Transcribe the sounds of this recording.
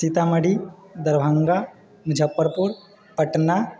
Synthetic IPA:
sit̪aməɽi | d̪ɐɾbʱaŋɡa | nd͡ʒʱəpːəɾpuɾ | pəʈna

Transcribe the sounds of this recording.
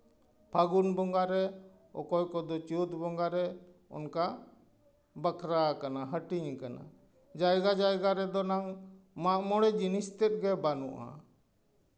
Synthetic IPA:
pʰaɡunbɔŋɡaɾɛ | ɔ̰kɔjkɔd̪ɔt͡ʃut̪bɔŋɡaɾɛ | ɔ̰nka | bəkɾakanaɦəʈiɲkana̰ | d͡ʒajɡad͡ʒajɡaɾɛd̪ɔnaŋmaʔmɔɽɛd͡ʒinist̪ɛt̪̚ɡɛbanṵʔa̰

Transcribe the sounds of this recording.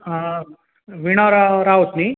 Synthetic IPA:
ʋiɳaɾaɾaut̪ni

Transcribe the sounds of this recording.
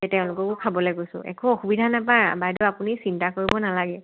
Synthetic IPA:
ɛtɛʊ̃lʊkɔkʊkʰabɔlojkojsʊ̰̃ʔɛ̰kʰɔ̃xubidʱanapa̰bajdɔapunisintakoɹibɔnalaɡɛ

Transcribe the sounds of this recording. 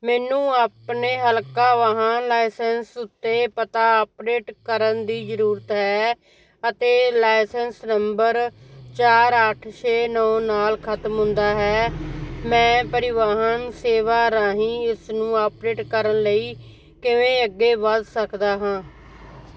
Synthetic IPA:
mɛːnũːaːpneːɦəlkaːʋaːɦãːlaːɪsənsʊt̪ːeːpət̪aːopɾeːʈkəɾənd̪iːzəɾuːɾət̪ɦɛː | ət̪eːlaːɪsənsnəmbəɾt͡ʃaːɾəʈʰʃeːnɔːnaːlkʰət̪mɦʊ̃nd̪aːɦɛːmɛ̃ːpəɾɪʋaːɦənseːʋaːɾãːɦĩːɪsnũːaːpɾeːʈkəɾənləiː | kɪʋẽːəɡːeːʋəzsəkd̪aːɦãː

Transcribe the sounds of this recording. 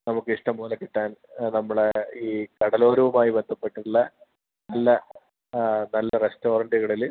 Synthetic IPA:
nɐmukːɨiʂʈɐmːuːlɐkːiʈːaːnnɐmːɐɭeiːkɐɽɐlo̞ːɾɐʋumaːjiʋend̪ɐpːeʈːuɭːɐ | nɐlːɐ | nɐlːɐresto̞ːɾɐɳɖiɣɐɭil

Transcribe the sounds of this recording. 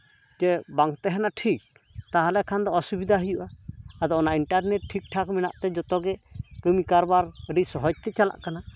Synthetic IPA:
d͡ʒɛbaŋkt̪ɛɦɛnaʈʰik̚ | t̪aɦalɛkʰand̪ɔɔsubid̪ʱaɦəjuʔaad̪ɔɔnaʔiɳʈaɾnɛʈ̚ʈʰik̚ʈʰakmɛna̰ʔt̪ɛd͡ʒɔt̪ɔɡɛkəmikaɾbaɾəɖisɔɦɔd͡ʒ̚t̪ɛt͡ʃala̰ʔkana

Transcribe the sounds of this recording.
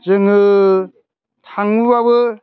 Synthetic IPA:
zɯŋɯ | tʰaŋubabɯ

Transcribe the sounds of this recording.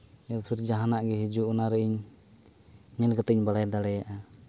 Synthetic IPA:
japʰiɾd͡ʒaɦanaʔɡɛɦid͡ʒuɔnaɾɛiɲ | ɲɛlɡat̪ɛɲbalajd̪alɛjaʔa

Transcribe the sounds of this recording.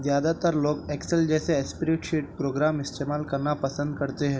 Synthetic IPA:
zjad̪at̪əɾloːkɛkseld͡ʑɛseespiɾeʈɕiʈ̚pɾoɡɾamist̪emalkəɾɳapəsənd̪̚kəɾt̪eɦe

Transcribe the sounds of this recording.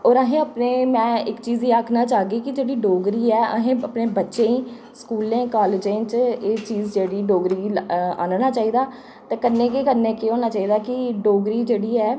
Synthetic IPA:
ɔːɾəɦẽːəpneːmɛ̃ːɪkt͡ʃiːziːaːkʰnaːt͡ʃaːɡiːkɪd͡ʒeːɽiːɖoːɡɾiːɛːə̰ɦẽːəpneːbətːʃẽːĩː | skuːlẽːkaːlɪd͡ʒẽːt͡ʃeːt͡ʃiːzd͡ʒeːɽiːɖoːɡɾiːa̰ːnnaːt͡ʃaːiːd̪aː | t̪eːkənːẽːkekəɾneːkeːɦoːnaːt͡ʃaːiːd̪aːkɪɖoːɡɾiːd͡ʒeːɽiːɛː

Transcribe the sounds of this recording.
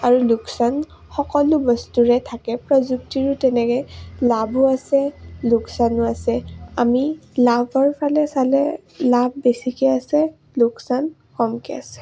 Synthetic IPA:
aɹuluksan | xɔkɔlʊbɔstuɹɛtʰakɛpɹɔzuktiɹʊtɛnɛkɛlabʱʊasɛlʊksanʊasɛamilabʱɔɹpʰalɛsalɛ | labʱbesikɛasɛ | lʊksan | kɔmkɛa̰sɛ̥

